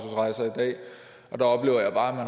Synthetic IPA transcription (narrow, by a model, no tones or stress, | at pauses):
sʰusʁɑ̈ɪsɐid̥ɛ̰ː | ɒ̽d̥ɑɒ̽b̥le̝ːʊɐjɑ̈ɪ̥ɑ̈ːæmæn